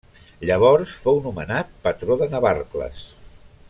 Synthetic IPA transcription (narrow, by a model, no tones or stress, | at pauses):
ʎəβ̞ɔɾsfownumə̰nat̪̚pət̪ɾoðənəβarklə̰s